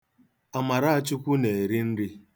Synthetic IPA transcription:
a˨ma˨ɾa˦a˦˨t͡ʃu˦kʷu˦ne˨e˨ɾi˦n̩˦ɾɪ˦

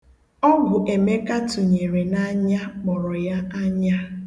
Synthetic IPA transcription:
ɔ˦ɡʷʊ˨ʔe˨me˦ka˦tʊ˨ɲe˨ɾe˨na˦ɲa˦k͡pɔ˨ɾɔ˨ja˦a˦ɲa˦

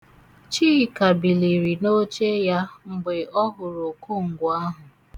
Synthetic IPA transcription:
t͡ʃi˦˨ka˨bi˨li˨ɾi˨no˦t͡ʃe˦ja˦ŋ͡m̩˨ɡ͡be˨ɔ˦ɦʊ˨ɾo˨ko˦ŋ̩˨ɡʷa˦ɦʊ˨

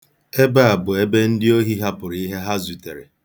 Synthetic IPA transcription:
e˦ba˦a˨bʊ˨e˦be˦n̩˦dɪ˦o˦ɦi˦ɦa˦pʊ˨ɾi˦ɦe˦ɦa˦zu˨te˨ɾḛ˨

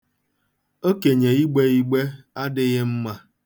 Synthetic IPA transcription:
o˦ke˨ɲe˨i˦ɡ͡be˦i˦ɡ͡be˦a˦dɪ˦ɣɪ˦m̩˦ma˦

